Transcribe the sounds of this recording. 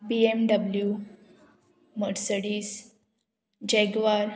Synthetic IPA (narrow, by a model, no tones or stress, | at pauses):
piemɖəblju | məɽsəɽiːs | d͡ʑeɡʋaɾ